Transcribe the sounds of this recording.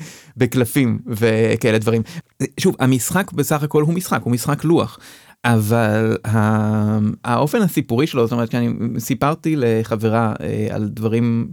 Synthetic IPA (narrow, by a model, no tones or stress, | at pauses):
beklafimvekaʔeled̪vaʁim | ʃuvha̰misχakbesaχako̞lɦumisχakhumisχaklua̰χ | ʔavalɦa | aʔo̞fe̞nhasipuʁiʃelozotoetkeanisipaʁt̪ileχaveʁaḛa̰ld̪vaʁim